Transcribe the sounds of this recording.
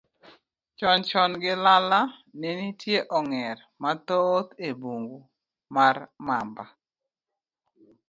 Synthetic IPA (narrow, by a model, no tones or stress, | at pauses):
t͡ʃɔnt͡ʃɔnɡɪlala | nenitjeʔɔŋɛr | mat̪ot̪ebuŋɡu | marma̰mba